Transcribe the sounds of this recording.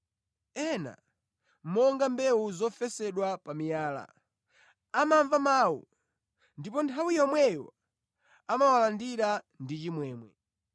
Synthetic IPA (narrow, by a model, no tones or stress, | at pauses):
ɛna̰ | mɔŋɡambɛwuzɔfɛsɛɗwapamijaːla̰ | amaɱvamaːwṵ | ndipɔntʰawijɔmwɛjɔ̰ | amawalandiɾa | ndit͡ʃimwɛːmwɛ̰